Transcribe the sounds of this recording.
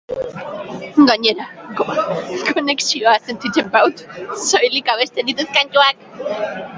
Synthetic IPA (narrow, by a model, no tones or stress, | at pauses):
ɡaɲeɾakkoneksioase̞nt̪it͡ʃ̪empawt̪sojlikaβest̪eðit̪eskaɲt͡ʃoak